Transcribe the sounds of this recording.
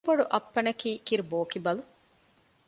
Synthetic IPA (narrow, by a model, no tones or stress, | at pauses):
boɖuʔɐpːɐnɐkiːkiɾuboːkibɐlu